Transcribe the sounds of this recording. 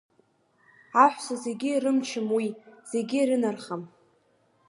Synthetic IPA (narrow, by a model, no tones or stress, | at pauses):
aħʷsaze̞ɡʲɪɾɨmt͡ʃʰɪmwiz̥e̞ɡʲɪɾɨnarχam